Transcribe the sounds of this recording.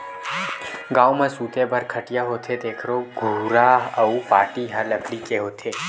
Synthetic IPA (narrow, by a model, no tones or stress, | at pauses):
ɡãwmãsut̪ebəɾkʰəʈijaɦot̪ʰed̪ekʰɾoɡʱuɾaɦəupaʈiɦaləklikeɦot̪ʰe